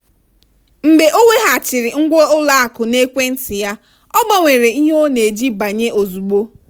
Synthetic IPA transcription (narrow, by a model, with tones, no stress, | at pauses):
m̩˨be˨ʔo˦wʷe˦ɦa˨t͡ʃɪ˨ɾɪ˨ŋ̩˦ɡʷo˦ʊ˦la˦a˨kʊ˨ne˦kʷe˦n̩˦tɪ˨ja˦ | ɔ˦ɡ͡ba˨ŋʷe˨ɾe˨i˦ɦo˦ne˨d͡ʒi˦ba˨ɲe˦ʔo˨zu˨ɡ͡bo˦